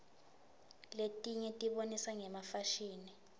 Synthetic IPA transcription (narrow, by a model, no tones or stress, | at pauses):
letʼiɲɛtʼiɓonisaŋɛmafaʃiːni